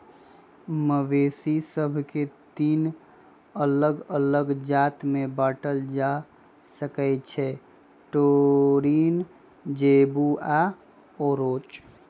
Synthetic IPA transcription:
məʋeːsisəbʱket̪iːn | ələɡələɡd͡ʒaːt̪mẽbaːʈəld͡ʒa | səkɛt͡ʃʰɛ | ʈoɾiːn | d͡ʒeːbua | ɔɾoːt͡ʃ

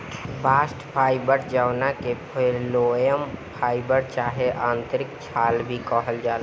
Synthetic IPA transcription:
baːsʈpʰaːɪbəɾd͡ʒəwnakepʰelojəmpʰaːɪbəɾt͡ʃaːɦeʔãːnt̪ɾɪk̚t͡ʃʰaːlbʱikəɦəld͡ʒaːl

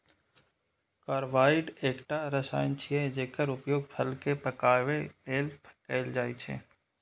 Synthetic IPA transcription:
kaːɾʋaːɪɖeːkʈaɾəsa̰ːɪnt͡ʃʰied͡ʒeːkəɾʊpjoːɡ̚pʰəlkepəkaːʋeʈeːlpʰkəɪld͡ʒaːit͡ʃʰḛː

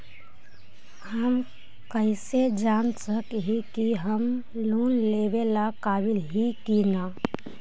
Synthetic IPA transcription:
həm | kəjsed͡ʒansəkɦikiɦəm | luːnleʋelakaʋilɦikina

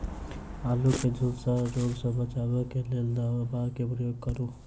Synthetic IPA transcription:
aluked͡ʒʱudsaɾoɡsʌ̃bʌt͡ʃabʌkeleld̪abakepɾʌjoɡ̚kʌɾu

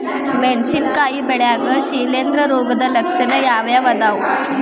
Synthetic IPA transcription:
menɕiːnkajiːbeɭjaɡəːɕilend̪ɾəɾoɡd̪ələkʂənəjaʋjaʋəd̪aw

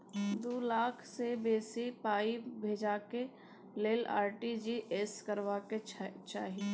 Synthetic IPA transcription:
d̪uːlaːkʰsebeːsipaːibʱeːd͡ʒaːke | leːla̰ːɾʈid͡ʒiʔeskəɾʋaket͡ʃa̰ːɦi

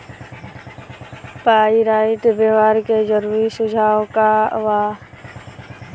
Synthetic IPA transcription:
paːiɾaːɪʈ̪beːʋaːɾked͡ʒəɾuːɾisʊd͡ʒʱaːwka̰ʋaː

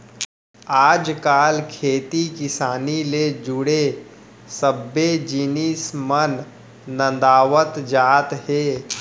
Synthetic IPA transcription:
aːd͡ʒkaːlkʰeːt̪ikɪsaːniled͡ʒʊɽe | səbːed͡ʒinismənː | ə̃nd̪aːʋət̪d͡ʒaːt̪heː

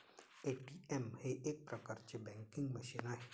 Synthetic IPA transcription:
eʈiemheʔeːk̚pɾɐkəɾt͡ʃebɛ̃ŋkɪ̃ŋɡmɐʃinaɦe

